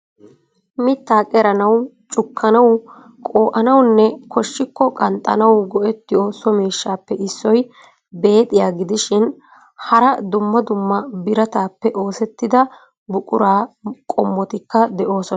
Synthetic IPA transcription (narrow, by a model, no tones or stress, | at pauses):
mɪt̪ːaːkʼɛɾɐnɐw | t͡ʃʼʊkːɐnɐw | kʼoːʔɐnɐwnːɛkʰɔʃːɪkːɔkʼɐnt̪ʼːɐ̰nɐwɡɔʔɛt̪ːɪjɔsɔmeːʃːaːpːɛʔɪsːɔj | be̞ːt̪ʼɪjaːɡɪd̪ɪʃɪn | hɐɾɐd̪ʊmːɐd̪ʊmːɐbɪɾɐt̪aːpːɛʔo̞ːsɛt̪ːɪd̪ɐ | bʊkʼʊɾaːkʼɔmːɔt̪ɪkːɐd̪ɛʔo̞ːsɔnɐ